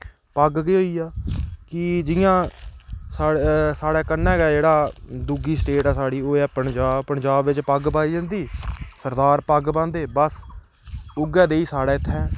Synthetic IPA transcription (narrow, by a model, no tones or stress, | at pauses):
pəɡkiːɦoːiːaːkɪd͡ʒɪjãː | saːsaːɽɛːkənːɛ̃ːɡɛːd͡ʒeːɽaːd̪uːɡiːsʈeːʈɛːsaːɽiːoːɛːpəɳd͡ʒaːbpəɳd͡ʒaːbʋɪt͡ʃpəɡpaːiːd͡ʒãːnd̪iːsəɾd̪aːɾpəɡbãːnd̪eːbəs | ʊɡɛːd̪eːiːsaːɽɛːɪt̪ʰːɛ̃ː